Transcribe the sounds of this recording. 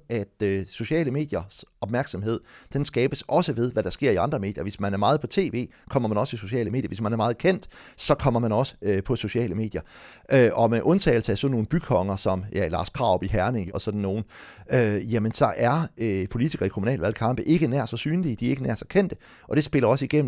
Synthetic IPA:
æd̥øso̝ɕɛ̰ːləme̝̰ːd̥jɐsɒ̽b̥̚mæɐɡ̥sɑ̽mhe̝ð̰ˠd̥ensɡ̥ɛːb̥əsɒ̽səʋe̝ð̞ˠʋæɾ̥ɑ̈sɡ̥e̝ɐ̰iɑ̈nd̥ʁɐme̝̰ːd̥jɐʋe̝smænæɐmɑ̈ːð̞̩ˠpʰɒ̽t͡sʰe̝̰ːʋe̝̰ːkʰɒ̽m̰ɐmænɒ̽sə̥iso̝ɕɛ̰ːləme̝̰ːdjɐ̰ʋe̝smænæɐmɑ̈ːð̞̩ˠkʰen̰d̥sɒ̽kʰɒ̽m̰ɐmænɒ̽sə̥øpʰɒ̽so̝ɕiɛ̰ːləme̝̰ːd̥jɐ | ʔøʔɒ̽meʔɔ̽nt͡sʰɛ̰ːl̩səæsɒ̽nːo̝ːn̩b̥ykʰɒ̽ŋɐsɒ̽mjælɑ̰̈ːskʰʁɑ̈ʊb̥iɦæɐne̝ŋɒsɒ̽d̥n̩ːo̝ːn̩øjæmənsɒ̽ʔæɐøpʰo̝lit͡sʰiɡ̥ɐːikʰo̝munɛ̰ːlʋælkʰɑ̈m̰b̥əʔe̝ɡ̥ənæɐ̰sɒsyːnlid̥iæe̝ɡ̥ənæɐsɑkʰen̰d̥ə | ʔɒ̽d̥e̝sb̥e̝lɐɒ̽səiɡ̥em̰

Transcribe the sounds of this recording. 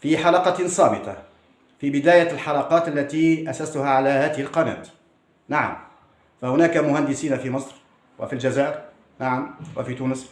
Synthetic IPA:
fiħɑlɑqɑsˤɑːbɪt̪ˤɑ | fibɪd̪aːjalħɑlɑqɑːt̪ʔalːat̪iːʔasast̪ʊhaːʕalaːhaːd̪ɪhɪlqɑna̰ːt̪ | naʕa̰m | fahʊnaːkamʊhand̪ɪsiːnafiːmɨsˤɾ | wʔa̰fild͡ʒazaːʔɪɾ | naʕamwafiːt̪uːnɪs

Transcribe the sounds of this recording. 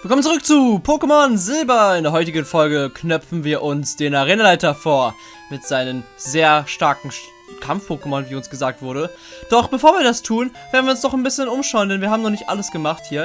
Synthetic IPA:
viːɐkɔmənt͡suʁʏk̚t͡suːpʰoːkəmɔnzɪlbɐɪndeːɐɦɔʏtɪɡənfɔlɡəkʰnœpp͡fn̩viːɐʔʊnsd̥eːnaʁeːnalaɪtɐfoːɐ | mɪtz̥aɪnəmzeːɐʃtaɐkŋ̩ | kʰamfpʰoːkəmɔnviːʊnsɡ̥əzaːk̚tv̥ʊɐɾdə | d̥ɔχb̥əfoːɐviːɐdastʰuːnveːɐdn̩viːʊnsd̥ɔχaɪnbɪsçənʊmʃaʊəndɛnviɐhaːbm̩nɔχnɪçtʔa̰ləsɡ̥əmaχthiːɐ

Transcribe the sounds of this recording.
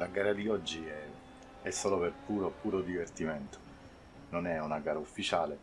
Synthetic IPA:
laɡaːɾad̪iɔd͡ʒːiɛ | ɛsːɔːloperpuːɾopuːɾod̪ivert̪imɛnt̪o̥ | nonɛunaɡaːɾaufːit͡ʃaːle

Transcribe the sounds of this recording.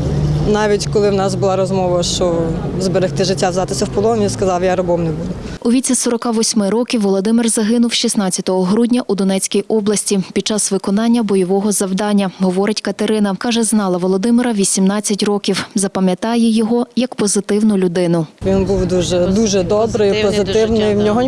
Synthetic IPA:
nɑʋʲitʲkɔlˠɪwnɑsbʊlˠɑɾɔzmɔʋɐʃt͡ʃɔzbeɾext̪ɪʒɪtʲːawzɑt̪ɪsʲɐwpɔlˠɔnʲiskɐzɑwjaɾɐbɔmnɛbud̪ʊuʋʲit͡sʲisɔɾɔkɑʋɔsʲmɪɾɔkʲiwʋːɔlˠɔd̪ɪmɪrzɐɦɪnʊwʃisnɑt͡sʲɐ̥t̪ɔɦɔɦɾudʲnʲɐʔud̪ɔnɛt͡sʲkʲijʔɔblˠɐsʲtʲipʲid̪̚t͡ʃɑsʋɪkɔnɑnʲːɐbɔjɔʋɔɦɔzɐwd̪ɑnʲːɐɦɔʋɔɾɪtʲkɐt̪eɾɪnɐkɑʒɛznɑlˠɐʋɔlˠɔd̪ɪmɪɾɐʋʲisʲimnɑt͡sʲːɐtʲrɔkʲiwzɐpɐmʲjɐt̪ɑjɛjɔɦɔjɐkpɔzɪt̪ɪwnʊlʲʊd̪ɪnʊʋʲinbuwd̪uʒɛd̪uʒɛd̪ɔbɾɪippɔɪt̪ɪwnɪjnʲɔɦɔ

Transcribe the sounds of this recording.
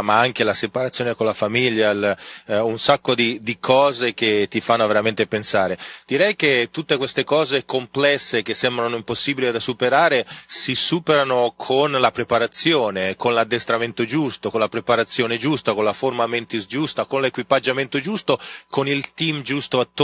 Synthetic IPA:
maaŋkelasepaɾat̪sːjoːnekonlafamiʎːalunsakːod̪id̪ikʰɔːzek̟et̪ːifanːoaveɾament̪epensaːɾed̪̥iɾɛjket̪ːut̪ːekwest̪ekɔːzekomplɛsːek̟esːɛmbɾanoimposːiːbilid̪asupeɾaːɾesisuːpeɾanokʰonlapɾepaɾat̪sːjoːnekonlad̪ːest̪ɾament̪od͡ʒust̪okonlapɾepaɾat̪sːjoːned͡ʒust̪akonlaformament̪isd͡ʒust̪akonlekwipad͡ʒːament̪od͡ʒust̪okonilt̪imd͡ʒust̪oat̪ː

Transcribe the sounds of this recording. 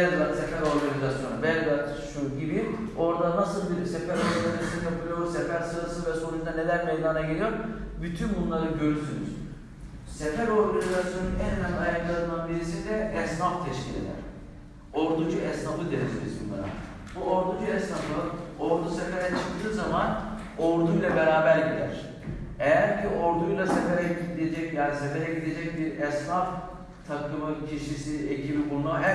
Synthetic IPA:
bɛɡlˠat̪sefæɾo̞ɾɡanizasjonabɛlɡ̪lˠat̪ʃuɟibi | o̞ɾd̪anasɯlˠbiɾsefæɾoɾɡɡanizasjonjapʰɯlˠijoɾsɛfæɾsɯɾɯsɯvɛso̞ɾujd̪ane̞lʲæɾmejd̪aːnaɟelʲijoɾbyt̪ʰynbunlˠaɾɯɟø̞ɾysyny̰z̥ | sefæɾo̞ɾɡanʲizasjo̞nunɛnænajɯklˠanɯd̪anbiɾisid̪ɛɛsnaft̪ʰɛʃcḭlʲḛd̪æ̰ɾ | oɾd̪ud͡ʒuɛsnafɯd̪enezelʲizunb̪a̰na̰ | buoɾd̪ud͡ʒuɛsnaflˠaoɾd̪usefe̞ɾɛt͡ʃʰɯ̥k̚d̪ɯːzaman | oɾd̪ujlˠabe̞ɾaːbæɾɟid̪æ̰ɾ̝̥ | ejæɾcʰiʔo̞ɾd̪ujlˠasefeɾɛid̪ed͡ʒɛcjaːnise̞fe̞ɾɛɟid̪e̞d͡ʒɛc̚biɾɛsnaf | t̪ʰakʰɯmɯcʰiʃisiecʰibibunlˠaɦæ

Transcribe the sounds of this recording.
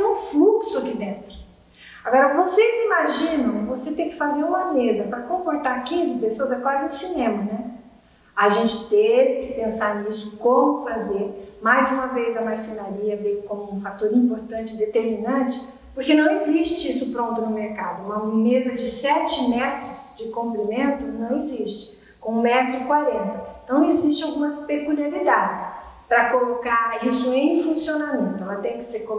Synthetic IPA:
ũfluksʊkɪd̪ẽt̪ɾʊ̥ | aɡɔɾɐvosezimaʒĩnɐ̃w̃voset̪ẽj̃kɪ̥fazeɾũmɐmezɐpɾɐkõpoɾt̪aɾkĩzɪpesoɐzɛkwazɪũsinẽmɐnɛ | aʒẽnt͡ʃɪ̥t̪evɪkɪpẽsaɾnisʊ̥kõmʊfazeɾmajzũmɐvezɐmaɾsenaɾiɐvejʊkõmʊũfat̪oɾĩmpoɾt̪ɐ̃t͡ʃɪd̪et̪eɾminɐ̃t͡ʃɪ̥ | poɾkenɐ̃w̃eziʃt͡ʃɪisʊpɾõnt̪ʊnʊmeɾkad̪ʊũmɐmezɐd͡ʒɪsɛt͡ʃɪmɛt̪ɾʊzd͡ʒɪkõmplimẽnt̪ʊnɐ̃w̃eziʃt͡ʃɪ̥ | kõũmɛt̪ɾʊkwaɾẽnt̪ɐẽt̪ɐ̃w̃eziʃt͡ʃɪ̃awɡũmɐspekuliaɾid̪ad͡ʒɪspɾɐkolokaɾisʊẽj̃fũsionamẽnt̪ʊɛlɐt̪ẽj̃kɪ̥seɾko

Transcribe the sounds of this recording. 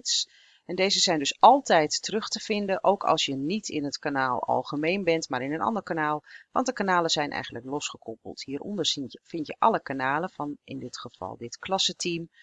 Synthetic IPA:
ts | ɛndejzəzɛjndɵsʔɑlˠtɛjtːərɵχtəv̥ɪndəʔowkʰɑ̰lˠsjənitʰɪnətkanaːlˠɑ̰lˠχəmejnbɛntmaːɾɪnənɑ̰ndəɹkanaːlˠʋɑ̰nt̚dəkanaːləz̥ɛjnʔɛ̰jχən̩ləklɔsχəkʰɔpə̰lˠthiːɾɔ̰ndəɹfɪntjə̰ʔɑləkanaːləvɑnɪ̰ndɪtχəv̥ɑ̰lˠdɪtklɑsətim

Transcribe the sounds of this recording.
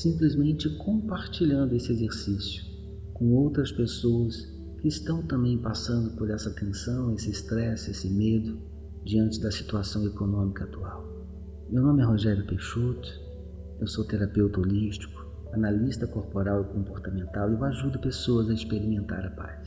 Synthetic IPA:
sĩmplizmẽnt͡ʃɪkõpaɾt͡ʃiʎɐ̃nd̪ʊesɪezeɾsisjʊ | kõowt̪ɾɐspesowɐs | kɪːst̪ɐ̃w̃t̪ɐ̃mbẽj̃pasɐ̃nd̪ʊpoɾɛsɐat̪ẽsɐ̃w̃esɪst̪ɾɛsesɪmed̪ʊ | d͡ʒiɐ̃nt͡ʃɪd̪ɐsi̥t̪uasɐ̃w̃ekonõmikɐat̪uaw | mewnõmɪɛɦoʒɛɾjʊpeʃut̪ʊ̥ | ewsowt̪eɾapewt̪oliʃt͡ʃi̥kʊ̥ | analist̪ɐkoɾpoɾawɪkõmpoɾt̪ɐmẽnt̪awewaʒud̪ʊpesoɐzɐɪspeɾimẽnt̪a̰ɾɐpa̰s

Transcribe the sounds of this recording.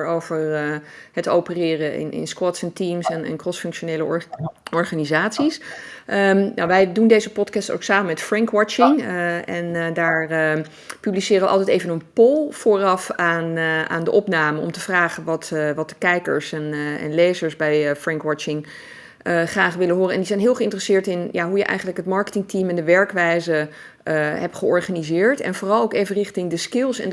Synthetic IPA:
ɹowvəɹhəto̰wpərɪːrəɪ̰nʔɪ̰nskwɔtsɛntimsɛnɛ̰nkrɔsfɵŋkʃonejləɔɹχaːnizaːtsisəna̰wʋɛjdundejzəpɔtkɑsto̰wksaːmənmɛtfrɛŋkwɔt͡ʃɪŋɛndaːɹ | pyblisɪːrəʋəʔɑ̰lˠtɛjtejvənənpolˠfʊːrɑfaːna̰ːndəʔɔpnaːmənɔ̰mtəvraːχənʋɑtʋɑt̚dəkɛjkə̰ɹsɛnɛ̰nlejzəɹsbɛjfrɛŋkwɑt͡ʃɪŋ | əχraːχʋɪlənɦʊːrəɛ̰ndizɛjnɦɪːlˠχəɪntərəsɪːɹtɪnjaɦujəʔɛ̰jχənləkɦətmɑɹkə̥tɪŋtimɛndəʋɛɹkʋɛjzə | ɦɛp̚tχəɔɹχanizɪːɹtɛ̰nvʊːrɑlˠowkejvənrɪχtɪŋdəskɪlˠsɛ̰n

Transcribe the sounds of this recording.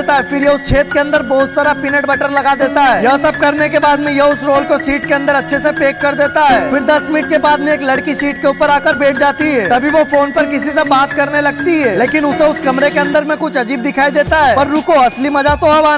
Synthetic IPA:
t̪aɦɛfɪɾjɐʊst͡ʃʰeːt̪̚keɐ̃nd̪əɾbɔɦʊt̪saːɾapɪnəʈbɐʈəɾlɐɡad̪eːt̪aɦːjɐɦsɐb̚kɐɾnekebaːd̪mẽjɐʊsɾoːlkosiːʈkeɐ̃nd̪əɾɐtːʃʰesepeːkːɐɾd̪eːt̪aɦɛːfɪɾd̪ɐsmɪnɪʈ̚kebaːd̪mẽeːklɐɽkisiːʈkeuːpəɾaːkəɾbeːʈʰd͡ʒaːt̪iɦɛːt̪ɐbʱiʋofoːnpɐɾkɪsis̬ebaːt̪̚kɐɾnelɐɡ̚t̪iɦɛːleːkɪnʊseʊskɐmɾekeɐ̃nd̪əɾmẽkʊt͡ʃʰɐd͡ʒiːb̚d̪ɪkʰaːid̪eːt̪aɦɛːpɐɾɾʊkoɐslimɐd͡ʒat̪oɦɐʋaː

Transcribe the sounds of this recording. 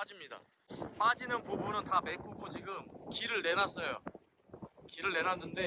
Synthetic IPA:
pad͡ʑimɲida̰ | p͈ad͡ʑinɯnpobunɯntame̞k͈uɡod͡ʑiɡɯmkiɾɯɭːe̞nas͈ʌjo̰ | kiɾɯɭːe̞nanːɯnde̞

